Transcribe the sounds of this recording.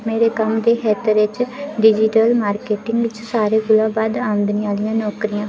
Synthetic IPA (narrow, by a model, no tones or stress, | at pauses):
meːɾeːkəmd̪eːxɛːt̪əɾɪt͡ʃɖɪd͡ʒɪʈəlmaːɾkeːʈɪŋɡʋɪt͡ʃsaːɾeːɡʊlãːbaːd̪aːʊ̃nd̪niːaːlijãːnɔːkɾijãː